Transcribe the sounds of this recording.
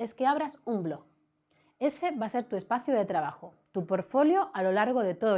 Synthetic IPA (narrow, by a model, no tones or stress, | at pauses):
e̞skeaβ̞ɾasumblo̞ɣ | e̞se̞βase̞ɾt̪ue̞spaθjuðe̞t̪ɾaβ̞axo | t̪upoɾfo̞ljoʔalo̞laɾɣ̞o̞ðe̞t̪o̞ðo